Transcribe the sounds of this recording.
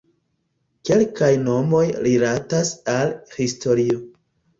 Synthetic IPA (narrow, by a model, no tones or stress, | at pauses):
ke̞lkajno̞mo̞jɾilatasalhisto̞ɾio̞